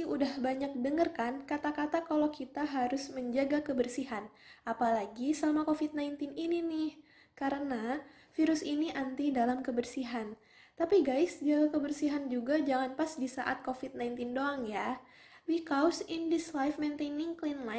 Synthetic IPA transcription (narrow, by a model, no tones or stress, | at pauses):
iudahbaɲak̚dəŋərkankat̪akat̪akalakit̪aɦaɾʊsməɲd͡ʒaɡakəbərsiɦan | ʔapalaɡisəlamakofit̪̚najnt̪ɪnininɪh | kaɾəna | fiɾʊsiniʔant̪idalamkəbərsiɦan | t̪apiɡajsd͡ʒaɡakəbərsiɦand͡ʒuɡad͡ʒaŋanpasdisaʔat̪̚kofit̪̚najnt̪ɪndoaŋja | wikawsindɪslajfment̪enɪŋklinla